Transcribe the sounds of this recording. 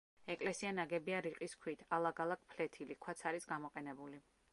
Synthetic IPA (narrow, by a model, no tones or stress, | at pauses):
ɛkʼlɛsianaɡɛbiaɾiqʼiskʰwit̪ʰalˠaɡalˠak̚ʰpʰlɛt̪ʰilikʰwat̪sʰaɾisɡamɔqʼɛnɛbuli